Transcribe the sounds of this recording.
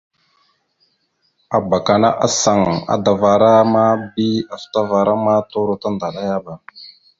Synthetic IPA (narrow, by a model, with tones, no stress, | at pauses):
a˨ba˨ka˨na̰˦ʔa˦sa˨ŋa̰˨da˨va˨ɾa˦ma˦bi˦a˨fta˦va˨ɾa˦ma˦to˦ɾo˦ta˦nda˨ɗa˦ja˦ba˨